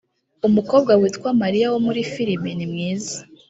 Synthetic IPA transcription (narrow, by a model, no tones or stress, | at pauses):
umuko̞b̚ɡawiːtkwamaɾijawomuɾifiɾiminimŋiːzḁ